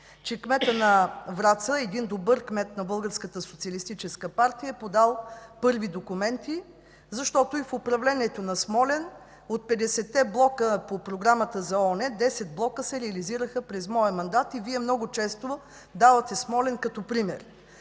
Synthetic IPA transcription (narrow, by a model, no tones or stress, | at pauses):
t͡ʃɛkmɛt̪ənɐvɾat̪səɛd̪ind̪obɤɾkmɛt̪nɐbɤlˠɡəɾskət̪əsot̪siɐlist̪it͡ʃɛskəpaɾt̪ijəɛpod̪alˠpɤɾvid̪okumɛnt̪i | zɐʃt̪ɔt̪oifʊpɾɐvlɛniɛt̪onɐsmɔlɛn | ot̪̚pɛd̪ɛsɛt̪ːɛblˠɔkəpopɾoɡɾamət̪əzɐɔnɛd̪ɛsɛt̪̚blˠɔkəsɛɾɛɐliziɾəxəpɾɛzmɔjəmɐnd̪at̪iviɛmnɔɡʊt͡ʃɛst̪o | d̪avɐt̪ɛsmɔlɛnkɐt̪ɔpɾimɛɾ